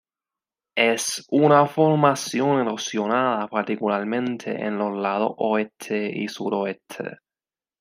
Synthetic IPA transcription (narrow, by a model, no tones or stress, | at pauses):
esunafoɾmasjoneɾosjonaðapaɾt̪ikulaɾmẽnt̪ʰe̞̰ʔḛnloslað̞o̰ʔoest̪ʰeḭsuɾoest̪ʰḛ